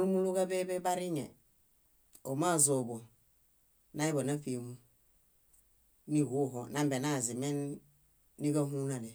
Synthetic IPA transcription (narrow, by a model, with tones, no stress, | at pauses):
u˦mu˦lu˦ka˦be˦be˦ba˦ɾi˦ɲḛ˨ | o˨ma˦˨zo˨bo˨ | na˦i˦bo˨na˦fi˨mu˦ | ni˦˨ɡu˦˨ɦo˨na˦mbe˨na˦˨zi˨me˦nː | i˦ɡa˦ɦu˦na˨ne˨